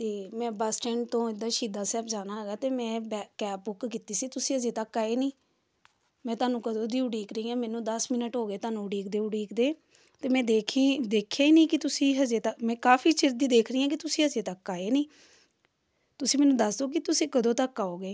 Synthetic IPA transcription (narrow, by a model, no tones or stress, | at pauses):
t̪eːmɛ̃ːbəsʈɛ̃ːɳɖt̪õːɪd̪ːaːʃiːd̪aːsɛːpd͡ʒaːnaːɦəɡaːt̪eːmɛ̃ːbɛkɛːpːʊkkiːt̪iːsiːt̪ʊsĩːəzeːt̪əkːaːeːnĩː | mɛ̃ːt̪ʊaːnũːkəd̪õːd̪iːʊɽiːkɾəĩːãːmɛːnũːd̪əsmɪnəʈɦoːɡeːt̪aːnũːʊɽiːkd̪eːʊɽiːkd̪eː | t̪eːmɛ̃ːd̪eːkʰiːd̪eːkʰjaːiːnĩːkɪt̪ʊsĩːɦəd͡ʒeːt̪əkmɛ̃ːkaːfʰiːt͡ʃɪɾd̪iːd̪eːkʰɾəiːãːkɪt̪ʊsĩːəd͡ʒeːt̪əkːaːeːnĩː | t̪ʊsĩːmɛːnũːd̪əsd̪oːk̬ɪt̪ʊsĩːkəd̪õːt̪əkːaːoːɡeː